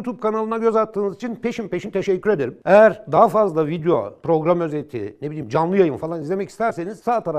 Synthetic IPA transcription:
ut̪ʰub̚kanalˠɯnaɟøzat̪ʰːɯːnɯzit͡ʃʰinpʰe̞ʃimpe̞ʃint̪ʰeʃɛcːyɾe̞d̪e̞ɾimejæɾd̪aɦafazlˠavid̪eo̞̰pɾo̞ɡɾamø̞zet̪ʰḭnebilʲiːmd͡ʒanlˠɯjajɯmfalˠanizlʲe̞mɛcʰist̪ʰæɾse̞niz̥saːt̪ʰaɾa

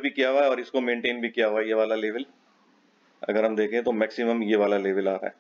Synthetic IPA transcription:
bʱikijaɦoaɛɔːɾɪskomẽːɳʈeːnbʱikijaɦoaɛjeʋaːlaleːʋəl | ɐ̰ɡəɾɦɐmd̪eːkʰẽt̪omɛːksɪməmjeʋaːlaleːʋəlaːɾa̰ɦɛ̰ː

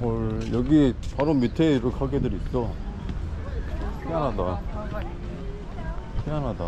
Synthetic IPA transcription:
ʌjʌɡipaɾomitʰeiɾɯkʰaɡedɯɾit̚t͈o | peanɦada | peanɦada

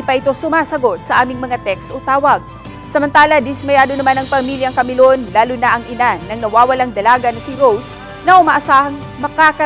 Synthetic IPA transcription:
ipɐʔɪt̪o̞sʊmaːsɐɡo̞t̪̚sɐʔaːmɪŋmɐŋat̪ɛkst̪ʔot̪aːwɐɡ̚ | sɐmɐnt̪aːlɐd̪ɪsmɐjaːd̪o̞nɐmanɐŋpɐmiːljɐŋkɐmɪlonlaːlʊnaʔɐŋʔɪnanɐŋnɐwaːwɐlaŋd̪ɐlaːɡɐnɐsɪɾows | nɐʔʊmaːʔɐsaːhɐŋ | mɐkakɐ

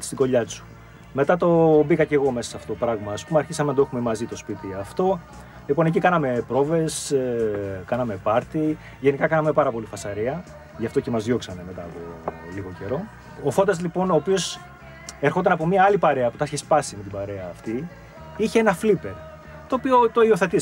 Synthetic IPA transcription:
t̪i̥st̪iɡo̞ʎɐt͡su̥ | me̞t̪ɐt̪o̞bikɐce̞ɣo̞me̞sɐ̥sɐfo̥oopɾɐɣmɐːspumeɐɾçisɐmenɐt̪oexumemɐzit̪o̞spit̪iɐft̪o̞ | lipo̞ne̞cikɐnɐme̞pɾo̞ve̞s | kɐnɐme̞pɐɾt̪i | ʝe̞nikɐkɐnɐme̞pɐɾɐpo̞lifɐsɐɾiɐ | ʝɐft̪o̞cemɐzðʝo̞ksɐne̞me̞t̪ɐːpo̞̰liɣo̞ce̞ɾo̞ | ofod̪ɐzlipo̞no̞ːpio̞s | eɾxo̞t̪ɐnɐpo̞miɐɐlipɐɾe̞ɐpu̥t̪ɐçespɐsimet̪ibɐɾe̞ɐːft̪i | içeenɐflipe̞ɾ | t̪o̞ːpio̞t̪oio̞θe̞t̪i

